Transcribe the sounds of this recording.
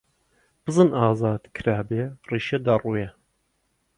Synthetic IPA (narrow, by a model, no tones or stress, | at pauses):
b̥ɨzˤɨnʔɑːzɑːd̪kʰɾaːberiːʃɛd̪ɐruːjɛ